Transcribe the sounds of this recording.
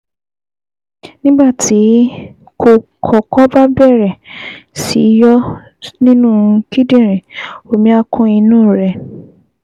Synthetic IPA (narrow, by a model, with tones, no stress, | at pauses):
nĩ˦ɡ͡ba˦˨tʰi˨˦ | kʰo˨kʰɔ˨kɔ˦ba˦bɛ˦˨ɾɛ˨sḭ˨˦jɔ˦ | nĩ˦nũ˦˨˧ki˦dĩ˦˨ɾ̃ĩ˨o˨mĩ˧˦a˧kʰɔ̃˧i˧nũː˦˨ɾɛ˧˨